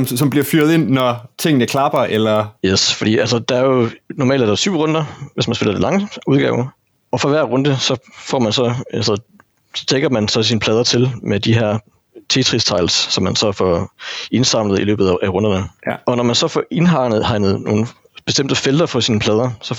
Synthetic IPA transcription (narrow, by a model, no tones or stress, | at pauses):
msɒ̽mbliɐfyːɐðˠe̝n̰ːɒt͡sʰe̝ŋ̰nəkʰlɑb̥ɐʔelɐjesfɒ̽d̥ḭːʔælsəd̥ɑ̈æɐjo̝nɒmɛ̰ːld̥æd̥ɑsyʊ̰ʁɔ̽nd̥ɐʋesmænse̝lɐdelɑ̈ŋəuðˠɡ̥ɛ̰ːʊɐ | ɒ̽fɒ̽ʋæɐ̰ʁɔ̽nd̥əsɒ̽fɒ̰ːmænsɒ̽ælsə | d̥eɡ̥ɐmænsɒ̽siːnəpʰlɛːð̞ˠɐt͡sʰe̝lmed̥iɦæɐ̰ | t͡sʰe̝t͡sʰʁist͡sʰɑ̈ɪlsːɒ̽mːænsɒ̽fɒe̝nsɑ̈m̰ləð̩ˠilø̰ːbð̩ˠæʔæʁɔ̽nd̥ɐnəɒ̽nɒmænsɒ̽fɒe̝nɦɑ̈ːnəð̞ˠhɑ̈ɪnəð̩ˠno̝̰ːn̩ | b̥e̝sd̥em̰d̥əfeld̥ɐfɒ̽siːnəpʰlɛːð̞ˠɐsɒ̽